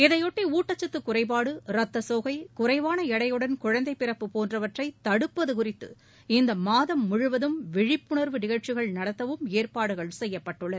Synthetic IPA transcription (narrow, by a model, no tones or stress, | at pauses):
ɪðɐjɔʈːiuːʈːɐt͡ʃːɐt̪ːɯkːʊrɐɪp̬aːɽɯɾɐt̪ːɐsoːɣɐɪkʊɾɐɪʋaːnɐɛɽɐjɯɽɐnkʊɻɐnd̪ɐɪpːɪɾɐpːɯpoːndrɐʋɐʈrɐɪt̪ɐɽɯpːɐðɯkʊrɪt̪ːɯ | ɪnd̪ɐmaːðɐmːʊɻʊʋɐðɯmʋɪɻɪpːʊɳɐɾʋɯnɪɣɐɻt͡ʃːɪɣɐɭnɐɽɐt̪ːɐʋɯmeːrpaːɽɯɣɐɭsɛjːɐpːɐʈːɯɭːɐð